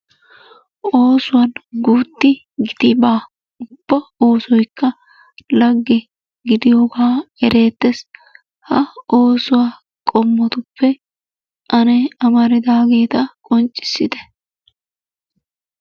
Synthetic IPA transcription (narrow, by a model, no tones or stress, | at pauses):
ʔo̞ːsʊwɐnɡuːt̪ːɪ | ɡɪd̪ɪbaː | ʊb̥ːɐo̞ːsɔjkːɐ | lɐɡːɛ | ɡɪd̪ɪjoːɡaːɛɾe̞ːt̪ːɛs | hɐo̞ːsʊwaː | kʼɔmːɔt̪ʊpːɛ | ʔɐnɛɐmɐɾɪd̪aːɡe̞ːt̪ɐkʼɔnt͡ʃʼːɪ̥sːɪd̪ɛ̥